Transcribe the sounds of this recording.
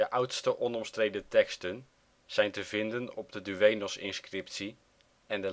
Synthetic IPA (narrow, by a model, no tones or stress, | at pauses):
əʔʌwtstəʔɔnɔmstrejdətɛkstən | z̥ɛjntəvɪndənɔb̚dədyʋejnɔsɪ̰nskrɪp̚tsi | ɛndə